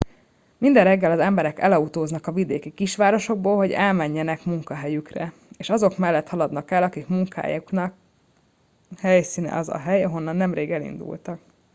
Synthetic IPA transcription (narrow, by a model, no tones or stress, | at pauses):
mind̪ɛrrɛɡːɛlɒzɛmbɛɾɛkɛ̰lɒut̪oːznɒkɒvid̪eːkikiʃʋaːɾo̞ʃo̞ɡ̚boːlɦo̞ɟɛlmɛɲːɛnɛkmuŋkɒɦɛjykrɛ̰ | eːʃɒzo̞kmɛlːɛt̪hɒlɒd̪nɒkɛlɒkikmuŋka̰ːjuknɒk | hɛjsiːnɛ̰ɒzɒ̰ɦɛjɒɦo̞nːɒnːɛmreːɡɛlḭnd̪ṵlt̪ɒk